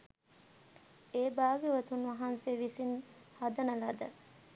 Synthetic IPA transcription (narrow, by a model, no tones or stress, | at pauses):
eːbaːɡeʋɐt̪unʋɐɦanseʋisin | hɐd̪ɐnəlɐd̪ə